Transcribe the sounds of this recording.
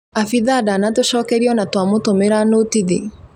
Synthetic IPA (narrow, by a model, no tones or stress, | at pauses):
afiðaːdanatoʃɔːkɛɾiɔnatwamotomeɾanotiðḭ